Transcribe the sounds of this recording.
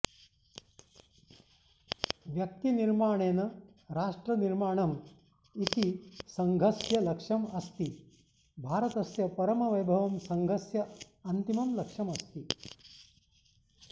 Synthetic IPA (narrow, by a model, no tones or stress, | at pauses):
ʋjɐk̚t̪iniɾmaːɳ̃eːnɐ | ɾaːʂʈɾɐniɾmaːɳɐm | it̪isɐŋɡʱɐsjɐlɐkʂɐmɐst̪i | bʱaːɾɐt̪ɐsjɐpɐɾɐmɐʋɐjbʱɐʋɐmsɐŋɡʱɐsjɐ | ɐnt̪imɐmlɐkʂɐmɐst̪i